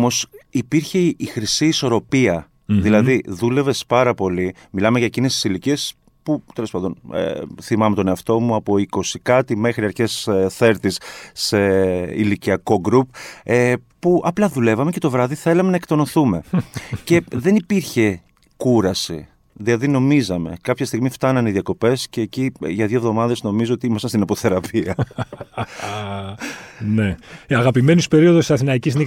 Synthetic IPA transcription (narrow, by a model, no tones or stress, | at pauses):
omo̞sipiɾçe̞ixɾisiːso̞ɾo̞piɐ | ðilɐðiðule̞ve̞spɐɾɐpo̞li | milɐmeʝɐecinest̪i̥silicie̞s | put̪elo̞spɐnðonḛθimɐmet̪o̞ne̞ɐft̪o̞muɐpo̞iko̞sikɐt̪ime̞xɾiɐɾçe̞sθe̞ɾt̪isse̞ḭliciɐko̞ɡɾupepuʔɐplɐðule̞vɐme̞ce̞t̪o̞vɾɐðiθe̞lɐme̞nɐekt̪o̞noθume̞ce̞ðe̞nipiɾçe̞ | kuɾɐsḭ | ðilɐðino̞mizɐme̞̰kɐpçɐst̪iɣmift̪ɐnɐniðjɐko̞pe̞sce̞ːciʝɐðʝovðomɐðe̞zno̞mizoot̪iimɐsɐnst̪inɐpo̞θe̞ɾɐpʰiɐ | ne̞ɐɣɐpime̞nuspe̞ɾio̞ðosi̥sɐθinɐicisni